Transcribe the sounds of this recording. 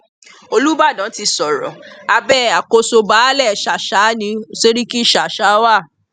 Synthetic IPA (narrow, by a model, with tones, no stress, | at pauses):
o˧lu˦ba˦˨dã˨˦ti˧sɔ˨ɾɔ̰˨a˧bɛ˦a˨ko˧so˧ba˨˦lɛ˦˨ʃa˨ʃa˨˦nĩ˧˦se˦ɾi˦ki˦˨ʃa˨ʃa˨˦wa˦˨